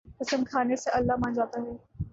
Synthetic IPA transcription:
kɪsəmkʰaːneseɐlːaɦmãːnd͡ʒaːt̪aɦɛː

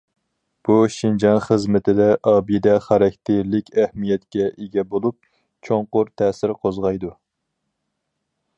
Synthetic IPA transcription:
b̥uʃind͡ʒɑnχəzmɪt̪ʰɪd̪ɛʔɑːbid̪ɛχæɾɛkʲʰt̪ʰɪlɪkʲʰɛhmijɛt̪kʲɛʔeɡʲɛbolˠup̚ | t͡ʃʰoŋqʊɾt̪ʰɛːsɪɾqʰozʁɑjd̪u

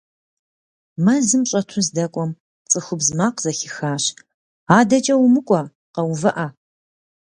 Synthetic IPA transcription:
mɐzɨmɕʼɐtʰʊzdɐkʷʼɔm | t͡sʼɨxʷʊbzmaːqzɐxɪxaːɕ | aːdɐt͡ʃʼɐwʊmɨkʷʼɔ | qɐwvɐʔa

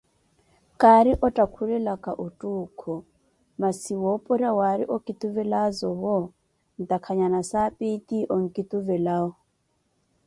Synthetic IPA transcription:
kʼaɾiʔɔtʼakʰulɛlakʼaʔutʼuːkʰɔ | masiwɔpʼɔɾawaɾḭʔɔkʼit̪ʼuvɛlazɔβɔ | n̩t̪ʼakʰaɲanasapʼitʼiʔɔŋ̩kʼit̪ʼuvɛlaːɔ

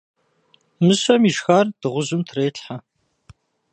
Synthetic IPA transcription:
mɨɕɐmiʃxardɨʁʷʊʑʊmtʰreːɬħa

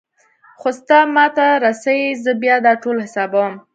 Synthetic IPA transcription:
xost̪ɑmɑt̪aɾɑsawizəbjɑd̪ɑʈolhɪsɑbawəm

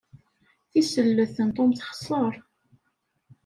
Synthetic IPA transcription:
θisəlːəθənt̪ˤomθχsˤːəɾˤ

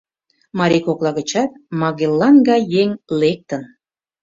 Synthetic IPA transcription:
mɑɾʲikoklˠɑɣə̆t͡ɕɑt̪̚mɑɣelˠːɑnɡɑjeŋlek̚t̪ən

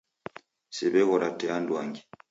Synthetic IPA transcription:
siβɛɣɔɾatɛandwaŋɡi

